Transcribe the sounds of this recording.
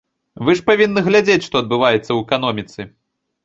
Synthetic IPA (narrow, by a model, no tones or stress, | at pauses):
vɨʂpavʲinːɨɣlʲad͡zʲet͡sʲʂt̪ɔɐd̪̚bɨvajɛt̪sːɐwɛkan̪ɔmʲit̪sɨ